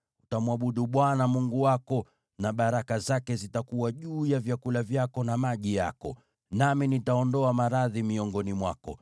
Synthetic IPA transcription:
utamwaɓuɗuɓwanamuŋɡuwakɔ | naɓaɾakazakɛzitakuwaʄuːjavjakulavjakɔnamaʄija̰kɔ | naminitaɔndɔamaɾaðimiɔŋɡɔnimwa̰kɔ

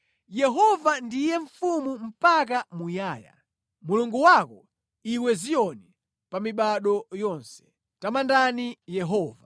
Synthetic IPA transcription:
jɛɦɔvandijɛɱfumum̩pak̬amujaːja̰ | muluŋɡuwakɔ | iwɛzijɔni | pamiɓaɗɔjɔnsɛ̥ | tamandanijɛɦɔːva

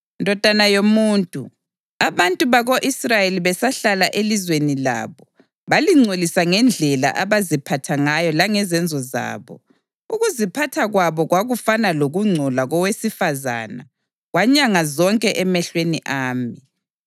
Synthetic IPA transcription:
ndʱɔd̥ʱanajomuːntʼṵ | aβantʼuβaɣoʔisrajeliβɛsaɬalaʔelizwenila̰ːβɔ | βaliŋ͡ǀʱolisaŋɛnd͡ɮʱɛla̰ʔaβazipʰatʰaŋajɔlaŋɛzɛnd͡zʱɔza̰ːβɔ̰ | uɣuzipʰatʰaɣwaβɔɣwaɣufanaloɣuŋ͡ǀʱɔlaɣɔwesifaza̰na̰ | ɣwaɲaŋazɔŋkʼɛʔɛmɛɬweniʔaːmi

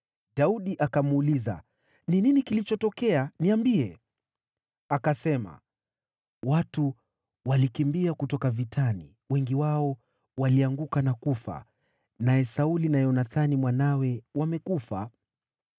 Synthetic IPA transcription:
ɗauɗiʔakamuːliza̰ | nininikilit͡ʃɔtɔkɛaniambiɛ | akasɛma̰ | watu | walikimbiakutɔkavitʰani | wɛŋɡiwaɔ | waliaŋɡukanakufa̰ | najɛsaulinajɔnaθanimwanawɛwamɛkufa̰

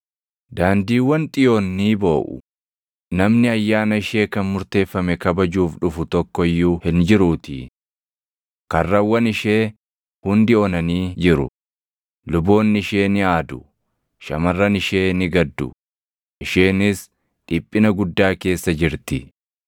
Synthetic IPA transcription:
d̪aːnd̪iːwːɐnt̪ʼɪjo̞ːnːiːbo̞ːʔʊ̰ | nɐmnɪɐjːaːnɐɪʃe̞ːkɐnmʊɾt̪e̞ːfːɐmɛkɐbɐd͡ʒuːfᶑʊfʊt̪ɔkːɔɪjːuːhɪnd͡ʒɪɾuːt̪ɪ̰ | kɐrːɐwːɐnɪʃe̞ː | hʊnd̪ɪɔnɐniːd͡ʒɪɾʊ̰ | lʊbo̞ːnːɪʃe̞ːnɪaːd̪ʊ | ʃɐmɐrːɐnɪʃe̞ːnɪɡɐd̪ːʊ̰ | ʔɪʃe̞ːnɪs | ᶑɪpʼːɪnɐɡʊd̪ːaːke̞ːsːɐd͡ʒɪɾt̪ɪ

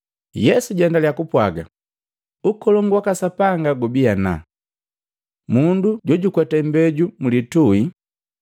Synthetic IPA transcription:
jɛsuɟɛndaljakupwaɡa̰ | ukɔlɔŋɡwakasapaŋɡaɡubiana̰ | munduɟɔɟukwɛtɛmbɛɟumulitui

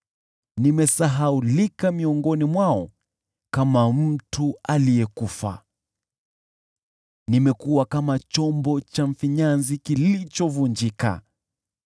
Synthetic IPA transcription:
nimɛsaɦaulikamiɔŋɡɔnimwaɔ | kamam̩tʰualijɛkufa̰ | nimɛkuwakamat͡ʃɔmbɔt͡ʃaɱ̩fiɲanzikilit͡ʃɔvund͡ʒika̰

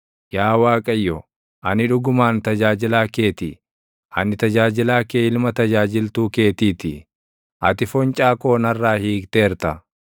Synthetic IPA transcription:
jaːwaːkʼɐjːɔ | ʔɐnɪᶑʊɡʊmaːnt̪ɐd͡ʒaːd͡ʒɪlaːke̞ːt̪i | ʔɐnɪt̪ɐd͡ʒaːd͡ʒɪlaːkeːɪlmɐt̪ɐd͡ʒaːd͡ʒɪlt̪uːke̞ːt̪iːt̪ɪ | ʔɐt̪ɪfɔnt͡ʃʼaːkoːnɐrːaːhiːkt̪eːɾt̪ɐ

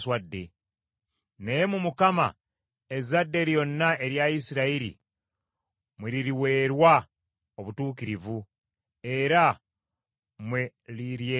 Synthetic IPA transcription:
swadːe̞ | nejemumukama̰ | e̞zadːe̞ɾjo̞nːaʔe̞ɾjaisiɾaiɾḭ | mweɾiɾiwe̞ːɾwa | o̞βutuːkiɾivu | e̞ɾa | mwe | liɾje

